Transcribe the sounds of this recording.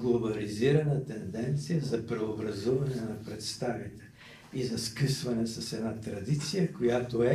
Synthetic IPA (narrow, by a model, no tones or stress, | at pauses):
ɡlˠobɐliziɾɐnət̪ɛnd̪ɛnt̪sijəzɐpɾɛobɾɐzuvɐnɛnɐpɾɛt̪st̪avit̪ɛ̥ | izɐskəsvɐnɛsɐsɛd̪nat̪ɾɐd̪it̪sijəkojat̪oɛ